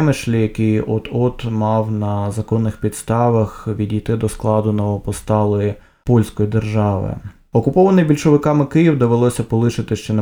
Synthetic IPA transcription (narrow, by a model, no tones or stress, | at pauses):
mɪʃlʲijɐkɪjɔt̪ɔt̪mɑwnɐzɐkɔnːɪxpʲid̪st̪ɑʋɐxʋʲidʲijt̪ɪd̪ɔsklˠɑd̪ʊnɔʋɔpɔst̪ɑlˠɔji | pɔlʲsʲkɔjid̪erʒɑʋɪ̰ | ɔkʊpɔʋɐnɪjbʲilʲʃɔʋɪkɑmɪkɪjiwd̪eʋɪlˠɔsʲɐpɔlˠɪʃɪt̪ɪʃt͡ʃɛn